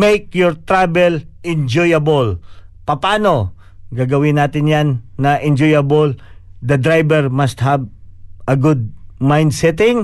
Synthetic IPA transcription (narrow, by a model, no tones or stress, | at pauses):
mejkjɔɹt̪ɹabɛlɛ̃nd͡ʒɔjɐbolpɐpaːno̞ | ɡaːɡɐwɪnaːt̪ɪnjanːɐʔɛnd͡ʒojɐbold̪ɐd̪ɾajbɛɹmɐst̪̚hɐbʔɐɡʊd̪̚majnd̪sɛt̪ɪ̃ŋ